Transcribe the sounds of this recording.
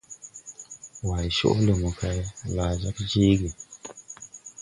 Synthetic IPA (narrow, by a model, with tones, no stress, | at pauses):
wa˨jʃo̰˦ʔle˨mu˨ka˦jlaː˨d͡ʒa˦kd͡ʒi˦ɡi˨